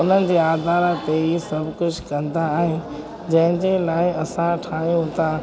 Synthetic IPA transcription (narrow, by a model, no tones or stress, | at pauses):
ʊn̤ənɪ̆d͡ʑeːaːd̪ʱaːɾat̪eisɐbʱkʊd͡ʑʱkɐ̃nd̪aːɦɪ | d͡ʑɐ̃ɦɪ̃d͡ʑelaːɪɐsãʈʰaːijũt̪ʰa